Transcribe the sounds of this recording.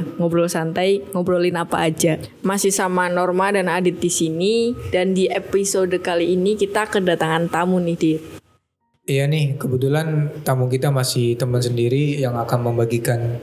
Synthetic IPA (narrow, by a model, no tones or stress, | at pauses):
ŋobɾolsant̪ajŋobɾolɪnapa̰ːd͡ʒa | masɪhsamanɔrmadanadɪt̪̚disinidandiepisodkaliːnikit̪akədat̪aŋant̪amʊnɪhdi | janɪhkəbut̪ulant̪amʊŋkit̪amasɪht̪əmənsəndiɾijaŋakanməmbaɡikan